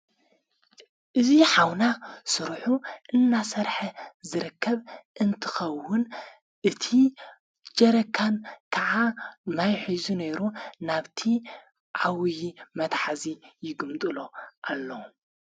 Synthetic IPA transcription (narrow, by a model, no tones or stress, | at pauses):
ʔɨziħawnasɨɾħuʔɨnːasɐɾħɐzɨɾɨkːɐβʔɨnt̪ʰɨ̥xɐwːʊn | ʔɨt̪ʰi | d͡ʒɐɾɐkʰːankʰɐʕanajħizune̞ɾunaβt̪ʰi | ʕawjimɐt̪ħazijɪɡɨmt̪ʼɨloʔalːo